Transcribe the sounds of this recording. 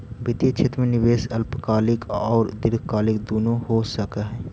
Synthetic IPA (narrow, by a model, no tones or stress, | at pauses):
bɪt̪it͡ʃʰɪt̪ɾmẽnɪʋeːsɐlpkaːlɪkɔːɾd̪ɪɾɡkaːlɪkd̪oːnohosɐkaɦɛː